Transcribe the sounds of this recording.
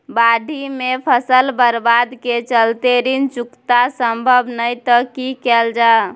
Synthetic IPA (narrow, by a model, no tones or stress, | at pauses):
baɖʱimepʰəsəlbəɾbad̪ket͡ʃəlt̪eɾint͡ʃukt̪asəmbʱəbʱnəjt̪əkikɛld͡ʒa